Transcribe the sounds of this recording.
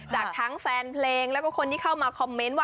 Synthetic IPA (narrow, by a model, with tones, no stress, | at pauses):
t͡ɕaː˨˩kt̪ʰaː˦˥ŋfɛː˧npʰleː˧ŋlɛː˦˥wkɔ˥˩kʰo˧nt̪ʰiː˥˩kʰa˥˩wmaː˧kʰɔ˧mːe˦˥nwaː˥˩